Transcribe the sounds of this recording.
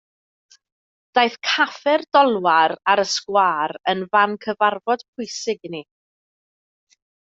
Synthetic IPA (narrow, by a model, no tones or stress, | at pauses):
d̥ajθkʰafɛrdɔlˠwaɾaɾəskwaːɾənvankʰəvarvɔd̥pʰʊjsɪɡni